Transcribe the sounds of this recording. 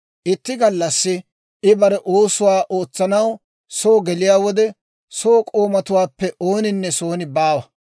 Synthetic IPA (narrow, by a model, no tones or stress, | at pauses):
ʔɪt̪ːɪɡɐlːɐsːɪ | ʔɪbɐɾɛʔoːsʊwaːʔoːt͡sːɐnɐw | soːɡɛlɪjaːwɔd̪ɛ | soːkʼo̞ːmɐt̪ʊwaːpːɛʔoːnɪnːɛso̞ːnɪbaːwɐ